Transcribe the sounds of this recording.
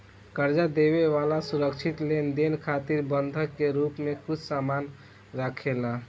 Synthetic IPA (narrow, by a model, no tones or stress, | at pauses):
kəɾd͡ʒad̪ebeʋalasuɾəkt͡ʃʰit̪lend̪enkʰat̪iɾbənd̪ʱəkːeɾupmekut͡ʃʰsaman | ɾakʰela